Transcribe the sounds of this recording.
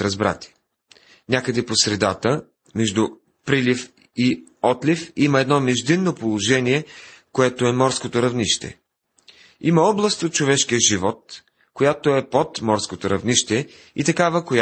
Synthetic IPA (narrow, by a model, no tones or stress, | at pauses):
ɾɐzbɾa̰t̪i̥ | nʲakəd̪ɛposɾɛd̪at̪ə | mɛʒd̪u | pɾilif | i | ɔt̪lifiməɛd̪nɔmɛʒd̪inːopolˠoʒɛniɛkoɛt̪oɛmɔɾskot̪oɾɐvniʃt̪ɛ̰ | imɐɔblˠɐst̪ot̪̚t͡ʃovɛʃkijəʒivɔt̪̚ | kojat̪oɛpot̪mɔɾskot̪oɾɐvniʃt̪ɛ | it̪ɐkavəkoj